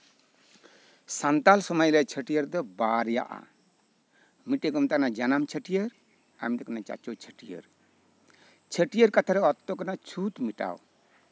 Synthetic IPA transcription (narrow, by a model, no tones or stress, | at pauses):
sant̪alsɔmajlɛt͡ʃʰəʈijəɾd̪ɔbaɾja̰ʔa̰ | miʈeɡɔmt̪anad͡ʒanamt͡ʃʰəʈijəɾ | a̰mt̪akanat͡ʃa̰t͡ʃɔt͡ʃʰəʈijə̰ɾ | t͡ʃʰəʈijəɾkat̪ʰaɾɛɔt̪ːɔkanat͡ʃʰut̪miʈa̰w